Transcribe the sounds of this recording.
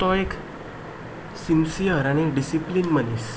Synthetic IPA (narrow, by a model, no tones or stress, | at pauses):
t̪ɔek | simsijəɾaɽ̃iɖisiplinmənis